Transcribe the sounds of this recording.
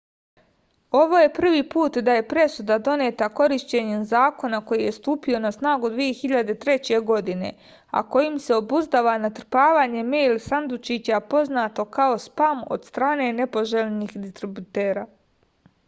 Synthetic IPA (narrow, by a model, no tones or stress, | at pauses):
o̞ʋo̞je̞pr̩ʋiːpuːt̪d̪aje̞pɾe̞sud̪ad̪o̞net̪ako̞ɾiʃt͡ɕe̞ɲemzaːko̞nako̞jije̞st̪uːpio̞nasnaːɡud̪ʋije̞xiʎad̪e̞t̪ɾe̞t͡ɕe̞ɡo̞d̪ine̞̰ | a̰ko̞jimse̞o̞buzd̪aʋanat̪r̩paːʋaːɲe̞mejlsand̪ut͡ʃit͡ɕapo̞znaːt̪o̞kao̞spamo̞̰d̪̥st̪ɾaːne̞ne̞po̞ʒeʎenixd̪ist̪ɾibut̪e̞ːɾaː